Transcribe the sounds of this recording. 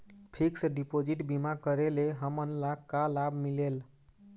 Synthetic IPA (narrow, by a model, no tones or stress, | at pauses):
pʰiksəɖipod͡ʒiʈbimakəɾeleɦəmənlakalabʱmilel